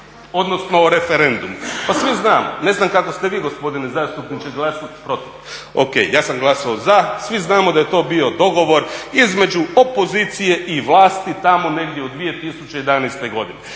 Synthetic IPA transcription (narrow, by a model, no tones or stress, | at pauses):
o̞d̪nosno̞ɾe̞fe̞ɾe̞nd̪umupasʋiznaːmo̰ne̞znamkako̞st̪e̞ʋiːɡo̞spo̞d̪inezaːst̪upnit͡ʃeɡlˠasopɾo̞t̪iʋ | o̰kḛjjaːsamɡlˠasaozasʋiznaːmod̪aje̞t̪o̞ːbio̞d̪o̞ɡo̞ʋo̞ɾizme̞d͡ʒuopo̞ziːt̪sije̞ʔiʋlˠaːst̪it̪amo̞ne̞ɡd̪jeod̪d̪ʋije̞t̪isut͡ɕejed̪anejst̪e̞ɡo̞d̪ine